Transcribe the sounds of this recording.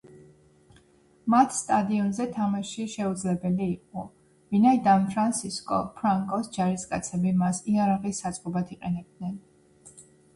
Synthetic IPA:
mat̪ʰst̪ʼad̪iɔnzɛt̪ʰamaʃiʃɛud̪zlɛbɛliːqʼɔ | vinaid̪anfʰɾansʰiskʼɔ̰pʰɾaŋkʼɔsd͡ʒaɾiskʼa̰t̪sʰɛbimasiaɾaʁisat̪sʼqʼɔbat̪ʰiqʼɛnɛb̚d̪nɛn

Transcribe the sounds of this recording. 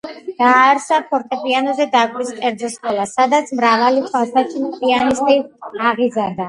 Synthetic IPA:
d̪̥aːɾsapʰɔɾt̪ʼɛpʼianɔzɛd̪akʼwiskʼɛɾd̪zɔskʼɔlˠasad̪at̪sʰmɾavalitʰwalˠsat͡ʃʰipʼianist̪ʼiaʁizand̪a

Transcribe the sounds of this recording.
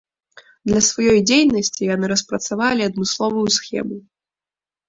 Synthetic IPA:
d̪lʲɐsvajɔjd͡zʲejnɐsʲt͡sʲijanɨɾɐspɾɐt̪savalʲiɐd̪mɨslˠɔvujusxʲɛ̰mu

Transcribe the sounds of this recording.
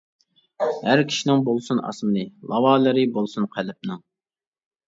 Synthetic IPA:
hæɾkʲʰi̥ʃinɪŋbolˠsunɑ̰smɨnɨlˠɑwɑːlˠɨɾɨbolˠsunqʰælɪp̚nɨŋ

